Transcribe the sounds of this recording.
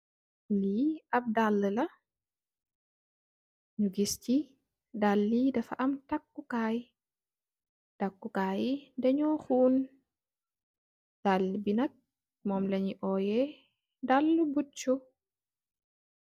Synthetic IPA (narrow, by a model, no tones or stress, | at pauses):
liɐb̚dalːəlɐ | ɲuɡisti | dalːidɐfaʔɐmtakːukaj | takːukaːjidɛɲɔxuːn | d̥alːibinɐk̚ | mɔmlɐɲiʔɔːjɛ | dalːubut͡ʃːu